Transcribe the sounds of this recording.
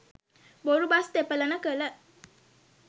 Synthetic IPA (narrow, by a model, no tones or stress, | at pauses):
boɾubast̪epələnəkələ